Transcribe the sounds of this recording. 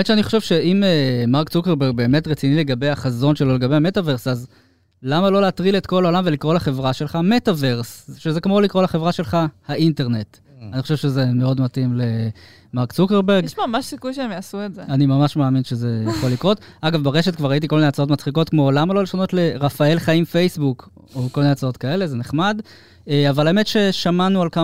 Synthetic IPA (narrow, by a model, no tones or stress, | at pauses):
bemett͡ʃʃeaniχoʃevʃe̞imemaʁkt͡sukeʁbeʁɡ̚be̞ːme̞tʁet͡sinile̞ɡabe̞jaχazo̞nʃelo̞leɡabeame̞tave̞ʁsaz | lamalo̞leatʁiletko̞laolamvelikʁo̞laχe̞vʁaʃelχametave̞ʁsʃezekmolikʁo̞laχevʁaʃe̞lχahaʔinte̞ʁne̞t | aniχoʃevʃezeme̞o̞dmatimle | maʁkt͡sukeʁbe̞ɡamaʃsikujʃeemjaːsuetzeanimamaʃmaːminʃe̞ze̞jaχolːikʁo̞taɡavbeʁe̞ʃetkvaʁait̬iko̞mineat͡saot̬mat͡sχiko̞tkmo̞lamalo̞leʃano̞t̪le̞ʁafae̞lχaimfe̞jsbuk | oko̞lmineat͡sao̞tkae̞le̞zeneχmad | eavalaeme̞tʃe̞ʃamanualka